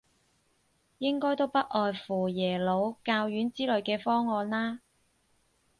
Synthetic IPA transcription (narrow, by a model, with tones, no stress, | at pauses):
jɪ˥ŋkɔː˥jt̪o˥wpɐ˥t̚ʔɔː˨jfuː˨˩jɛː˨˩lo˨˧wkaː˧wjyː˨˥nt͡siː˥lɵ˨˧ɥkɛː˧fɔː˥ŋɔː˧nlaː˥